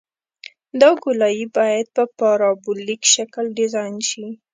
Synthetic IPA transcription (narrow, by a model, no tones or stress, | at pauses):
d̪ɑɡʊlɑjibɑjad̪̚pəpɑɾɑbʊlːikʃakəlɖɪzɑjnʃi